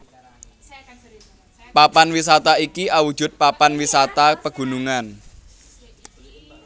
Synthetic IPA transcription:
papanwisat̪aikiawud̥ʒ̥ʊ̤t̪̚papanwisat̪apəɡ̥ṳnuŋan

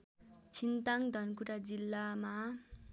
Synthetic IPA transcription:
t͡sʰint̪aŋd̪ʱʌnkuɾad͡zilːama

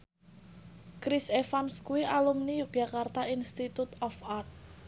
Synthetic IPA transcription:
kɾisefanskuiʔalumnijuk̚d͡ʒ̥akart̪ainst̪it̪ut̪ɔfart̪̚

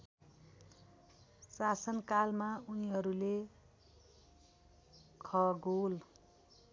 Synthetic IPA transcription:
sasʌnkalmauniɦʌɾule | kʰʌɡol

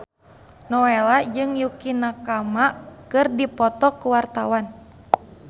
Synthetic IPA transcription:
nɔɛlad͡ʒɨŋjukinakamakɨrdipɔt̪ɔkuwart̪awan

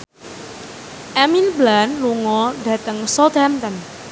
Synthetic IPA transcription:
ʔaminblanluŋɔɖa̤t̪əŋsɔt̪amt̪ən

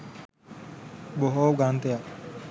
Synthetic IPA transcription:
boɦoɡaːnt̪eja

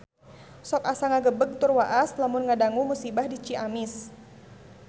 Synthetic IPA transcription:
sɔkasaŋaɡəbəɡ̚t̪urwaʔaslamʊnŋadaŋumusibahdit͡ʃiʔamɪs

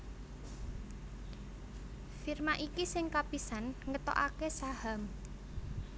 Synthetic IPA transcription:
firmaʔikisɪŋkapisanŋət̪ɔ̰ʔa̰kesaham

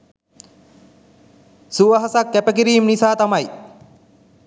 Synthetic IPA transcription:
suʋɐɦasakːæpəkiɾiːmnisaːt̪amaj

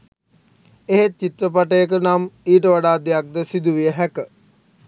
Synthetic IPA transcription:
eɦet͡ʃːit̪rəpaʈəjək̬ənamiːʈəʋaɖaːd̪ejak̚d̪əsid̪uʋijəɦækə

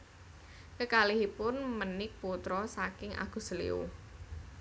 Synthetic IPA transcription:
kəkalihipʊnmənɪk̚put̪ɾɔsakɪŋʔa̰ɡ̥ṳsəlḭṵ

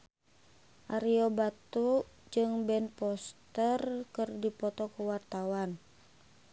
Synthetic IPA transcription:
ʔaɾiobat̪ud͡ʒɨŋbɛnpɔst̪ərkərdipɔt̪ɔkəwart̪awan

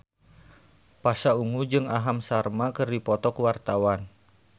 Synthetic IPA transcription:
pasauŋud͡ʒɨŋaɦamsarmakɨrdipɔt̪ɔkəwart̪awan

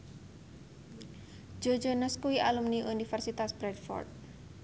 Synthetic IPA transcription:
d͡ʒo̥d͡ʒonəskuwiʔalumniʔunifɛrsit̪asb̥ɾɛd̚fɔ̰rt̪̚

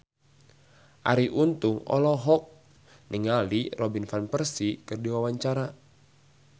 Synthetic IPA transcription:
ʔa̰ɾiʔunt̪uŋɔ̰lɔɦɔk̚ | niŋalirɔbinfanpərsikɨrdiwawaɲt͡ʃaɾa

